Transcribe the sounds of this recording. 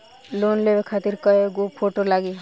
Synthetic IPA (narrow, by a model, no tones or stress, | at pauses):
loːnlebekʰaːt̪iɾkəeɡopʰoʈolaɡi